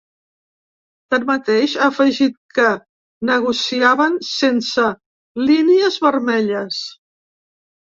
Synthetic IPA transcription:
t̪əmmət̪eʃaːfəʒit̪̚kə | nəɣusiaβənsensə | liniəzβəɾmɛʎəs

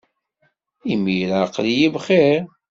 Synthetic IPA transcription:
imːiɾaqlijivχeɾ

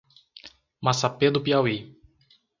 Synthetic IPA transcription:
masaped̪ʊpiawi

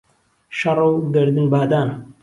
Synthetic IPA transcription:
ʃɐrˤɨwɡɨɾd̪ɨnbaːd̪aːn

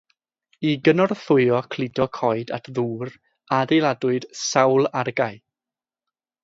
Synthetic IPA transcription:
iɡənɔrθʊɨɔkʰlˠɪdɔkʰɔɨda̰tʰðuːr | adejlˠadʊɨd̥sawlˠarɡaj

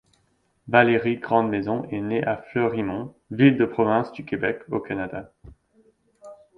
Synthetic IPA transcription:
valeʁiɡʁɑ̃d̪mezɔ̃ʔɛneʔaflœʁimɔ̃ | vild̪əpχɔvɛ̃sd̪ykʲebɛkokanad̪a

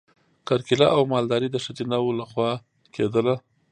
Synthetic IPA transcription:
kaɾkɪlaʔawmɑld̪ɑɾid̪əʂat̪inawolaxwɑ | kʰed̪əla

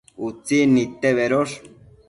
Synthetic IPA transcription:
ut͡sinit̪eβeɾoʂ

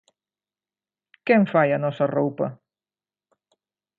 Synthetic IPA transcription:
kɛɱfajanɔsɐrowpɐ

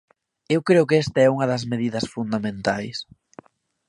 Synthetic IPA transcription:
ewkɾeʊkɛst̪ɐɛuŋɐðɐzmeðiðɐsfund̪amẽnt̪ajs

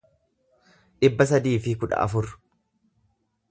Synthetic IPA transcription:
ᶑɪbːɐs̬ɐd̪iːfɪkʊᶑɐ̰ʔɐ̰fʊɾ

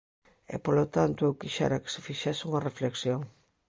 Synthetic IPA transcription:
ḛpolot̪ant̪ʊewkiʃa̰ɾake̥se̥fiʃasuŋɐrefleksjoŋ

